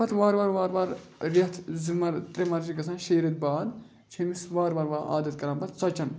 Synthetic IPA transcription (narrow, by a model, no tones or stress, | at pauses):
ɐt̪ʋaːɾʋaːɾʋaːɾʋaːɾ | ɾɐt̪ʰzimɐɾt̪ɾemɐɾd͡ʒiɡɐsãnʃeːɾɐt̪̚baːd̪ | t͡ʃʰemisʋaːɾʋaːɾʋaːʔa̰ːd̪ɐt̪̚kɐɾaːmbɐt̪t͡sɐt͡ʃɐn